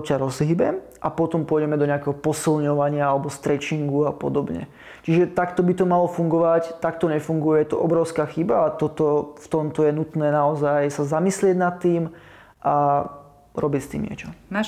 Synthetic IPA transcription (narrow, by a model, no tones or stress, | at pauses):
caɾɔzɦibɛ | ʔa̰pɔt̪ɔmpʊɔjɟɛmɛd̪ɔɲɛakɛɦɔpɔsilɲɔʋaɲɪaalɛbɔst̪ɾɛt͡ʃiŋɡuapɔ̰d̪ɔbɲɛ̰ | t͡ʃiʒɛt̪akt̪ɔbit̪ɔmalɔfuŋɡɔʋact̪akt̪ɔɲɛfuŋɡujɛjɛt̪ɔʔɔbɾɔʊskaːxibaːt̪ɔt̪ɔft̪ɔmt̪ɔjɛnut̪nɛːnaɔzajsazamislɪɛɟnat̪ːiːm | ʔa | ɾɔbicst̪ḭːmɲɪɛ̰t͡ʃɔna